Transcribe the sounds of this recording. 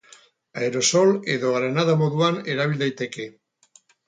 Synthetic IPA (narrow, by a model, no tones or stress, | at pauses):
aeɾosolḛðoɾenaðamoðuaneɾaβild̪ajt̪eke